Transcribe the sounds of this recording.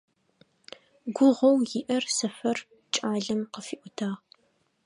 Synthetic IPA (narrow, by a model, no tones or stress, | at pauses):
ɡʷʊʁɐwjɪʔɐrsɨfɐr | t͡ʃʼaːɮɐmqəfiːʔʷʊtʰaːʁ